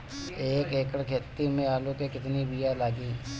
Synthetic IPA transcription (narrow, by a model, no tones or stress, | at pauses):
eːkeːkəɽkʰeːt̪ːimẽaːlõkekɪt̪nibijalaːɡiː